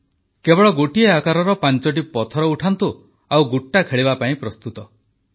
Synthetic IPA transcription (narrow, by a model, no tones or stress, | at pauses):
kebɔɭɔɡoʈieakaɾɔɾɔpant͡ʃɔʈ̬ipɔt̪ʰɔɾɔuʈʰant̪u | awɡuʈːakʰeɭibapaĩpɾɔst̪ut̪ɔ